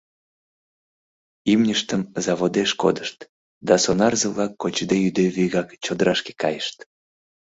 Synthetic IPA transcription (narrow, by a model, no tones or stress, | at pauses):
imnʲəʃt̪əmzɑβod̪eʃko̰d̪əʃt̪ | d̪ɑsonɑrzəβlɑkːot͡ɕd̪ejyd̪eβyjɣɑkt͡ɕod̪əɾɑʃke̥kɑ̰jəʃt̪